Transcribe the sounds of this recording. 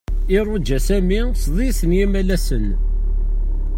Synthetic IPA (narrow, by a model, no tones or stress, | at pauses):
ɪɾˤʊd͡ʒːæsæmi | sðˤisənjæmælæsən